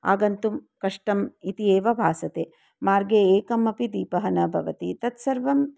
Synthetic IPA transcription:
a̰ːɡɐnt̪umkɐʂʈɐmit̪ieːʋɐbʱaːsɐt̪eː | maːɾɡeːeːkɐmɐpid̪iːpɐɦɐnɐbʱɐʋɐt̪it̪ɐt̪sɐɾʋɐm

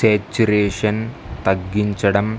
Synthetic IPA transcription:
seːt͡ɕːuɾeːʂɐn | t̪ɐɡːiɲt͡ɕɐɽɐm

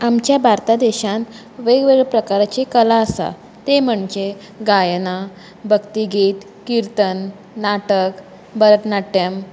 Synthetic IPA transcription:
amt͡ɕjabʱaɾt̪ad̪ɛɕãnt̪ | ʋeɡʋeɡpɾəkaɾt͡ɕekəlaəsa̰ | t̪em̤əɳd͡ʑe | ɡajna | bʱəkt̪iɡiːt̪ | kiɾt̪ənː | aʈək | bəɾət̪naʈəm

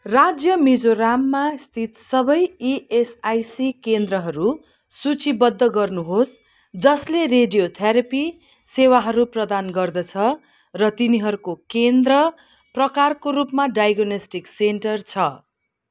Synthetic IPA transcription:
rad͡zjʌmid͡zoramːast̪ʰit̪sʌbʌjiesajsikend̪rʌɦʌɾu | sut͡sibʌd̪ʱːʌɡʌrnuɦos | d͡zʌslereɖijot̪ʰjʌɾʌpi | sewaɦʌɾuprʌd̪anɡʌrd̪ʌt͡sʰʌ | rʌt̪iniɦʌɾukokend̪rʌ | prʌkarkoɾupmaɖajɡonʌsʈiksenʈʌrt͡sʰʌ

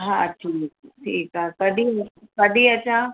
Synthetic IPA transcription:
ɦãːʈʰiːk̚ʈʰiːkakɐɖikɐɖiɐt͡ʃʰa

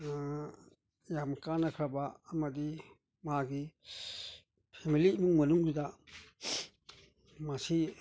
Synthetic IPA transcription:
jamkanakʰɾabaːmadi | maɡi | pʰemilimuŋmɐnuŋzida | masi

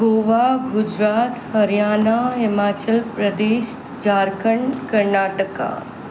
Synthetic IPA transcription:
ɡoːʋaɡʊd͡ʒɾaːt̪hɐɾjaːnaɦɪmaːt͡ʃəlpɾəd̪eːʃ | d͡ʒaːɾkəɳkɐɾnaːʈəka̰

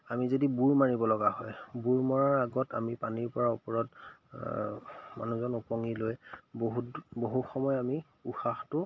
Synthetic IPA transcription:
amizodibuɹmaɹibɔlɔɡaɦɔjbuɹmɔɹaɹaɡɔta̰mipaniɹpɔɹaupɔɹɔt | ma̰nuzɔnupɔŋilojboɦutboɦuxɔmɔjami | uxaxtʊ

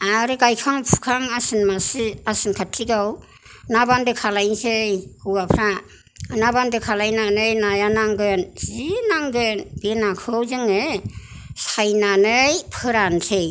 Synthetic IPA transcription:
aɾɯɡajkʰaŋpʰu̥kʰaŋasɯnmasɯasɯnkʰatʰːiɡaw | nabandɯkʰalajnzɯjkɯwapʰɾa | nabandɯkʰalajnanɯjnajanaŋɡɯnzinaŋɡɯnbenakʰɯwzɯŋɯ | sajnanɯjpʰɯɾantʰɯj

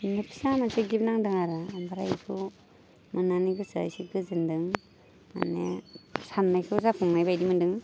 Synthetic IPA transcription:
nɯpʰi̥samansiɡip̚naŋdɯŋaɾɯːmbaɾa̰jsʰu | mɯnaniɡɯsajsiɡɯzɯndɯŋ | ma̰nḛsanːajkʰɯzapʰuŋnajbajdimɯndɯŋ

